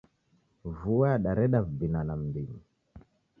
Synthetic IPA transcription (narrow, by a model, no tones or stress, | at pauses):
vuaɗaɾɛɗavbinanam̩dima